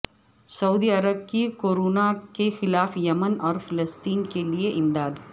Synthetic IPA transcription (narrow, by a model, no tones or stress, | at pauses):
sɐuːd̪iɐɾəb̚kikoːɾoːnakexɪlaːfjɐmənɔːɾfɪləst̪iːnkelieʔɪmd̪aːd̪